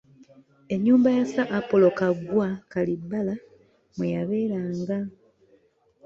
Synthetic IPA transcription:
e̞ɲːuːmbajasaʔːpo̞lo̞kaɡwakalibːala | mwejaβe̞ːɾaːŋɡa

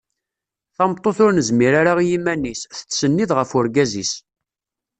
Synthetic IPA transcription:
θɑmt̪ˤːoθʊɾnəzmiɾaɾaʁijimænːisθət͡sːsənːiðʁəfʊɾɡæzḭs

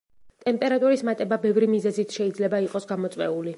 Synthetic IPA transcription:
t̪ʼɛmpʼɛɾat̪ʼuɾismat̪ʼɛbabɛvɾimizɛzit̪ʰʃɛid̪zlɛbaiqʼɔsɡamɔt̪sʼwɛuli

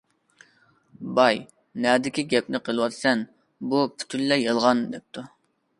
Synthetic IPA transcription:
bɑj | nɛd̪ɪkʲiɡʲɛpnɪqʰəlˠɨwɑt̪sɛn | bupʰy̥t̪ʰyllɛjəlˠʁɑnd̪ɛp̚t̪ʰu

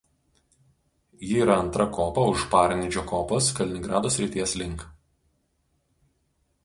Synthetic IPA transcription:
jɪːɾɐɐnt̪ɾɐkʰoːpɐʊʃpɑːɾʲnʲɪd͡ʒʲoːkoːposkɐlʲɪnʲɪŋɡɾɑːd̪oːsʲɾʲɪt̪ʲiɛslʲɪŋˑk

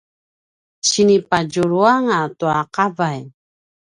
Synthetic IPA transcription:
t͡ɕinipad͡ʒuɾuaŋatuaqavaj

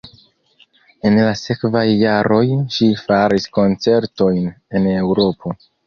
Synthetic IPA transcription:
e̞nlase̞kvajːaɾo̞jʃifaɾisko̞nt͡se̞ɾto̞jn | e̞ne̞wɾo̞pʰo̞

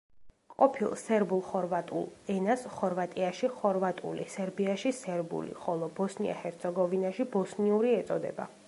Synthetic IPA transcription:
qʼɔpʰilˠsɛɾbulˠχɔɾvat̪ʼṵlˠɛnasχɔɾvat̪ʼiaʃiχɔɾvat̪ʼṵlḭsɛɾbiaʃisɛɾbṵlḭχɔlˠɔbɔsnia̰hɛɾt̪sʰɛɡɔvinaʃibɔsniuɾiɛt̪sʼɔd̪ɛ̰ba

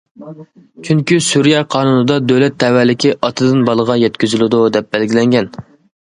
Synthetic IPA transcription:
t͡ʃʰyŋkʲysuɾjɑqʰɑːnunɨd̪ɑd̪øwlɛt̪ʰːɛwæɾlɪkʲiʔɑt̪ʰɨd̪ɨnbɑlˠəʁɑjɛt̪kʲyzylɪd̪ud̪ɛp̚bɛlɡʲilɛŋɡʲɛn

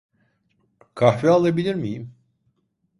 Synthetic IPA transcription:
kʰaɦvialˠabilʲiɾmijim

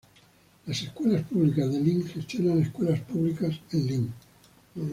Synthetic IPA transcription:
laseskwe̞laspuβlikazðeliŋxe̞st̪jo̞naneskwelaspuβlikasenliŋ

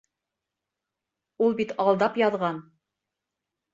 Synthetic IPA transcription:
ulˠbit̪ɑlˠd̪ɑpjɑðʁɑn

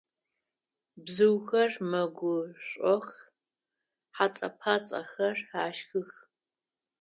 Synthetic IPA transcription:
bzɨwxɐrmɐɡʷʊɕʷʼɔx | ħat͡sʼɐ̰pʰaːt͡sʼɐ̰xɐraːʃxɨx

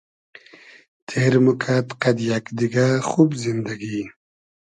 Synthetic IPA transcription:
t̪ʰeɾmukʰat̪qad̪jakd̪iɡaxubzind̪aɡi

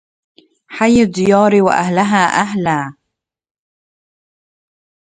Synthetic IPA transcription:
ħajːɪd̪ˤːɪjɑːɾiwa̰ʔa̰hlaɦaːʔaɦlaː

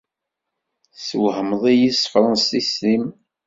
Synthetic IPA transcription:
səwhəmðˤijisˤfɾˤənsislim

